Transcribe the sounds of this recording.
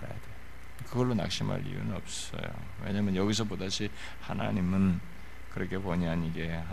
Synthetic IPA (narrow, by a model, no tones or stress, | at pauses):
ɾa̰ja̰dwe | kɯɡʌɭːona̰k̚ɕ͈ʰima̰ʎḭjṵnɯnʌp̚s͈ʌ̰jo̰ | we̞̰ɲaːmjʌnjʌɡis̬ʰʌpodaɕʰi | hana̰ɲimɯn | kɯɾʌkʰe̞poɲianiɡe̞ɦa